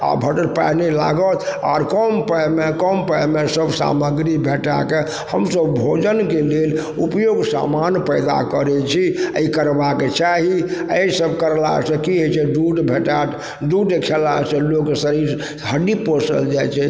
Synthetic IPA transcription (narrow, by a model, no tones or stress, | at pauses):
a̰bʱəʈəlpa̰nela̰ɡət̪ʰa̰ɾkəmpəjmekɔmpəmesəbsa̰məɡɾibʱeʈa̰ke | həmsəbbʱod͡ʒənkelel | upjoɡsa̰manpəɪd̪a̰kəɾɛt͡ʃʰiəikəɾbaket͡ʃaɦiəsəbkəɾla̰ɦsə̃kiɦot͡ʃʰɛɖuɖbʱeʈat̪ʰ | ɖuɖekʰelaesẽloksəɾiɾ | ɦəɖiposə̰ld͡ʒajt͡ʃʰɛ